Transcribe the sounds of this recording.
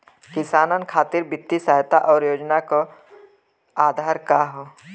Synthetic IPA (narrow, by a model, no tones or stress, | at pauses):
kɪsaːnənkʰaːt̪ɪɾbɪt̪ːisaːɦt̪aʔɔːɾjoːd͡ʒnako | aːd̪ʱaːɾkaɦoː